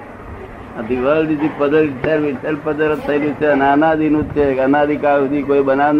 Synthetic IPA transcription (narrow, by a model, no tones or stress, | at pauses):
ət̪iʋəlɖisipəd̪əlseɾʋiselpəd̪əɾət̪ʰːəjlũt͡ʃʰeənənad̪inũt͡ʃʰeənad̪ikaud̪ikoibənaʋn